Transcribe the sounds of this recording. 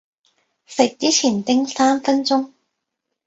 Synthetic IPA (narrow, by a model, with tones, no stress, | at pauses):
sɪ˨k̚t͡siː˦˥t͡sʰiː˨˩nt̪ɪ˥ŋsaː˥mfɐ˥nt͡sʊ˥ŋ